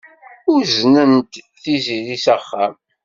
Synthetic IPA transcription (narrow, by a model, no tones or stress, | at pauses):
ʊɾznənt̪ | θiziɾisæχːæm